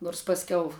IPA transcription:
noːrs pɐsʲˈkʲɛʊ

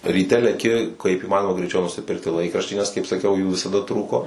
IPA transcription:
rʲiːˈtʲɛ lʲɛˈkʲɪ kɐɪp ɪˈmɑːnoːmɐ ɡrʲɛɪˈt͡ʃʲɛʊ nʊsʲɪˈpʲɪrktʲɪ ˈlˠɐɪkrɐʃʲtʲiː nʲɛs kɐɪp sɐˈkʲɛʊ juː ʋʲɪsɐˈdɐ ˈtruːkoː

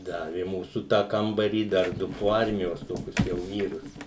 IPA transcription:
ˈdɑːʋʲɪ ɪ ˈmuːsʊ tɑː ˈkɐmbɐrʲiː dɐr ˈdʊ poː ˈɐrʲmʲɪjoːs ˈtoːkʲʊs jɛʊ ˈʋʲiːrʊs

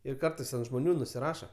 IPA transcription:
ɪr ˈkɐrtɐɪs ɐnt ʒmoːˈnʲuː nʊsʲɪˈrɑːʃɐ

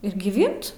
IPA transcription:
ɪr ɡʲɪˈʋʲɪnt

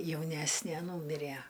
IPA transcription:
jɛʊˈnʲæsʲnʲeː ˈnuːmʲɪrʲæ

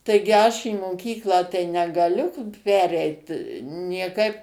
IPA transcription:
ˈtɐɪɡʲɪ ˈɐʃ iː moːˈkʲiːklˠɑː tɐɪ nʲɛɡɐˈlʲʊ ˈpʲæːrʲɛɪt nʲiɛˈkɐɪp

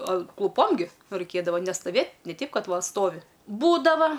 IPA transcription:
klˠʊˈpoːm ɡʲɪ ˈrɐɪkʲeːdɐʋɐ nʲɛstɐˈʋʲeːtʲ nʲɛ ˈtʲɛɪp ˈkɐt ˈʋɐ ˈstoːʋʲɪ ˈbuːdɐʋɐ

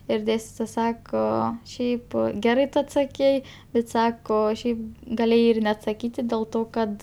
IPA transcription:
ɪr ˈdʲeːsʲtʲɪtoːjɛ ˈsɑːkoː ˈʃʲɛɪp ˈɡʲæːrɐɪ ˈtʊ ɐtsɐˈkʲɛɪ bʲɛt ˈsɑːkoː ˈʃʲɛɪp ɡɐˈlʲeːjɛɪ ɪr nʲɛɐtsɐˈkʲiːtʲɪ dʲeːlˠ ˈtoː ˈkɐt

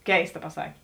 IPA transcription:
ˈkʲɛɪstɐ pɐˈsɑːkʲeː

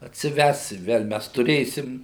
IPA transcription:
ɐtʲsʲɪˈʋʲɛs ɪ ˈʋʲɛlˠ ˈmʲɛs tʊˈrʲeːsʲɪm

